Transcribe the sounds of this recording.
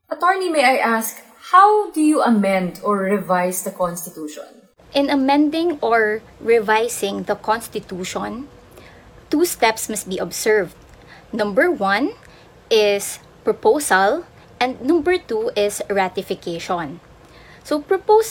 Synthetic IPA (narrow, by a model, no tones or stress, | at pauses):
ʔɐt̪ɔɹnimejʔajʔask | hawd̪ujuʔɐmɛ̃nd̪ɔɹɹɛvajsd̪ɐkɔnst̪ɪt̪uːʃɔ̰̃n | ʔɪ̃nɐmɛ̃nd̪ɪ̃ŋɔɹ | ɹɪvajsɪ̃ŋd̪ɐkɔ̃nst̪ɪt̪uːʃɔ̃n | t̪ust̪ɛpsmɐst̪̚biːʔɔbsɛɹvd̪ | nɐ̃mbɛɹwɐ̃n | ʔɪs | pɹɔpowsɐl | ʔɛ̃nd̪̚nɐ̃mbɛɹt̪uʔɪsɹat̪ɪfɪkeʃɔ̃n | sopɹɔpos